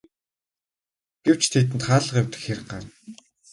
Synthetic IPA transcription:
ɡ̥ew̥t͡ɕt̪ʰit̪̬ɘ̆nt̪χaːɮə̆qewʲt̪ɘ̥̆xxer̆ɢaːn

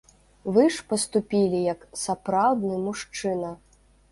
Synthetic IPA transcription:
vɨʂpɐst̪upʲilʲijɐksapɾawd̪nɨmuʂt͡ʂɨnɐ

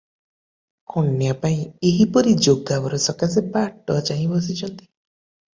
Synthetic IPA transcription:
kʰɔɳːjapaĩeɦipɔɾid͡ʒoɡabɔɾɔsɔkasepaʈɔt͡ʃaɦĩbɔsit͡ʃʰɔnt̪i̥

